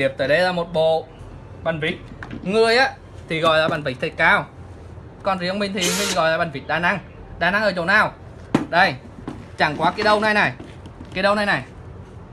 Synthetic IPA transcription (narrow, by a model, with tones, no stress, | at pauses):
i˨˩əp̚t̪əː˨˩jɗə˧jlaː˧˩mo˨˩t̚ɓo̰˧˨ | ɓa˨˩n̟vi˨˦k̚ŋɨ˨˧˩əjʔaː˨˦ | t̪ʰi˨˩ɣɔ̰˧˨jlaː˨˩ɓa˨˧˩n̟vï˨˩k̚t̪ʰə˨˧˩kaː˧w | kɔ˧nzə˧wmï˧ŋ̟t̪ʰi˨˩mi˧˩ɣɔ̰˧˨jlaː˨˩ɓa˨˩nvï̟˨˦ɗaː˧˩na˧˦ŋ | ɗaː˧˩na˨˧˦ŋʔəː˧˩t͡ɕo˨˩naː˨˧˩w | ɗə˧j | t͡ɕa˧˩ŋkwaː˨˦kaː˨˦jɗə˧wna˨˧jna˨˩j | kaː˨˦jɗə˧wnaː˧jna˨˩j